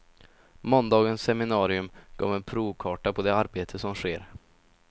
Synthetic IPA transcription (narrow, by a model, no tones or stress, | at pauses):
mɔnd̪ɑːɡənsːɛmɪnɑːɾɪɵmɡ̥ɑ̰ːvɛnpʰɾuːvkʰɑːʈapʰɔd̪ɛaɾbeːt̪ʰəsɔmɧeːɾ